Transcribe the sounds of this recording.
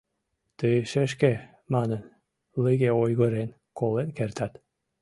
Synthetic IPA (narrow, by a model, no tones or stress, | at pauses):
t̪əʃeʃke | mɑnən | ləɣʲeojɣə̆ɾen | kolenkert̪at̪